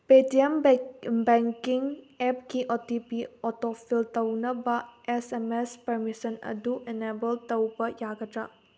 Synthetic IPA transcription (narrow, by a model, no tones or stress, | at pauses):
petiembeŋkiŋ | epkiʔotipiotopʰiltɐwnɐbɐesemespɐɾmisɐnɐ̰duʔenebɐltɐwbɐjaɡɐtɾa